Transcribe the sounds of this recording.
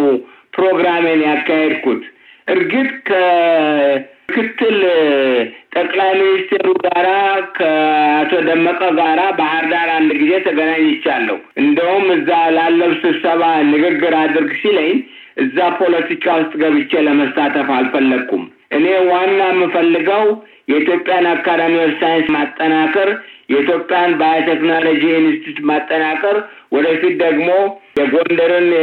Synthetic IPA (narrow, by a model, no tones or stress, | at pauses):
pɾo̞ɡɾamenjakːahed̪kut̪ | ʔɨɾɡɨt̪ʼkʰə | ɨkʰɨt̪ʰːɨl | t̪ʼəkʼlajminist̪ʰe̞ɾuɡaɾakʰəat̪ʰo̞d̪əmːəkʼəɡaɾabahɨɾd̪aɾand̪ɡize̞t̪ʰəɡənaɲːɪt͡ʃːalːə̰huʔɨnd̪əhumɨzːalalːəβsɨβsəβanɨɡɨɡːɨɾad̪ɨɾɡsiləɲː | ʔɨzːapʰo̞lət̪ʰikʼawʊst̪ʼɡəβɨt͡ʃːeləməstat̪ʰəfalfəlːəɡum | ʔɨne̞wanːajmːɨnfəlːɨɡəw | jɛit̪ʰjo̞pʼːjanabkːad̪anəɾsajnsmat̪ʼːənakʼəɾjɛit̪ʰjo̞pʼːejanbajat̪ʰeknalod͡ʒiunɨst̪ʰit̪mat̪ʼːənakʼəɾ | wɔd̪əfit̪̚d̪əɡmo̞jɛɡo̞nd̪əɾɨn